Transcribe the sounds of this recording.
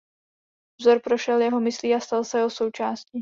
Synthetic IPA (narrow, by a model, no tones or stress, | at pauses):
vzo̞ɾpɾo̞ʃɛljɛɦo̞mɪsliːast̪alsɛɦoso̞wt͡ʃaːsciː